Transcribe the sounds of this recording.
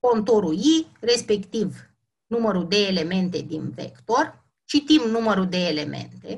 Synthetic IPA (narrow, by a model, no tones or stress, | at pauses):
ko̞nt̪oɾujire̞spe̞kt̪iv | numəɾud̪e̞ːle̞me̞nt̪e̞d̪invḛkt̪o̞r | t͡ʃit̪imnuməɾud̪e̞ːle̞mḛnt̪e̞̰